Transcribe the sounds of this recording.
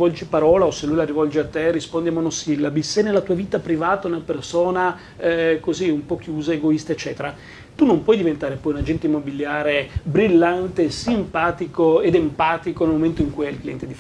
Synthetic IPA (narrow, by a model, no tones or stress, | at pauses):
vɔld͡ʒipaɾɔːlaoselːujlaɾivɔld͡ʒeat̪ːerispond̪iamːonosilːabisːenelːat̪uːaviːt̪apɾivaːt̪aonelapersoːna | koziumpɔk̟ːjuːzaeɡoist̪aet͡ʃːɛːt̪eɾa | t̪unompwɔjd̪ivent̪aːɾepɔːjunad͡ʒɛnt̪oimːobiljaːɾebɾilːant̪esimpaːt̪ikoed̪empaːt̪ikonelmoment̪oiŋkujɛilklijɛnt̪ed̪if